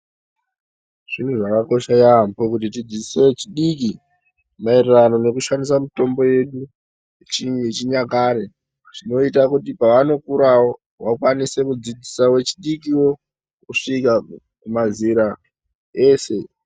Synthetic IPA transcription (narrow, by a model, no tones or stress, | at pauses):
ʐ̥in̤uʐakako̞ʃajampokutit̬id͡zise̞t͡ʃiɗiki | mairirano̞ne̞kuʃandisamito̞mbo̞je̞ɗu | t͡ʃiet͡ʃiɲakaːɾe | ʐino̞itakutipaʋano̞kuɾawo̞ | wakwanise̞kud͡zid͡zisawe̞t͡ʃiɗikiwo̞ | kuʂika | kumaziɾa | eːse̞